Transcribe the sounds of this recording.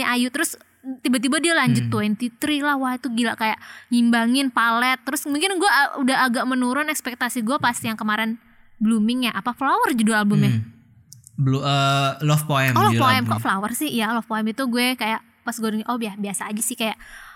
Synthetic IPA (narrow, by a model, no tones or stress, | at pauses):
iʔajut̪əɾʊs | t̪ibat̪̬ibadialaɲd͡ʒʊt̪ːuɛnt̪it̪ɾilahwahit̪uɡilaʔkajaʔhimbaŋɪnpalɛt̪ːəɾʊsmuŋkɪnɡuɛudaɦaɡaʔmənuɾʊnɛkspɛk̚t̪asiɡuɛpast̪ijaŋkəmaɾɪn | blumɪŋjaʔapaflawərd͡ʒudualbʊmja | bluəlɔfpoɛmɔlɔpoɛmkaʔflawərsɪhjalɔfpoɛmit̪uɡuɛkajaʔ | pasɡoɾŋʔɔbiahbiasaːd͡ʒasɪhkajaʔ